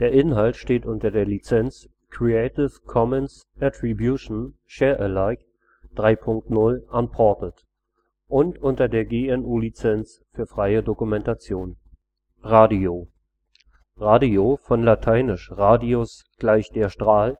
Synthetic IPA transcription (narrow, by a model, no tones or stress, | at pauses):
d̥eːɐʔɪnɦaltʃteːtʔʊntɐdeːɐlit͡sɛnt͡s | kʁ̥iɛɪtɪfkʰɔmɛns | ʔatʁ̥ibjuʃn̩ | ʃeːɐʔəlaɪk | d̥ʁaɪpʰʊŋk̚tnʊlʔanpʰɔɐtət | ʔʊntʔʊntɐdeːɐɡeːɛnʔuːlit͡sɛnt͡s | fyːɐfʁ̥aɪədokumɛntat͡sjoːn | ʁaːdio | ʁaːdiofɔnlatʰaɪnɪʃʁaːdios | ɡ̥laɪçd̥eːɐʃtʁ̥aːl